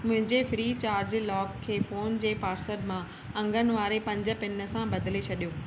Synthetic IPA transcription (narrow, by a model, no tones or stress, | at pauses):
mʊ̃ɦɪ̃ɲd͡ʑefɾiːt͡ɕaːɾd͡ʑlɔːkʰːeːfoːnd͡ʑeːpaːɾsəɾmã | ɐ̃ŋɡʱənɪ̆ʋaːɾepɐ̃ɲd͡ʑə̆pɪnə̆sãbɐd̪ʱɪlet͡ɕʰɐɗijoː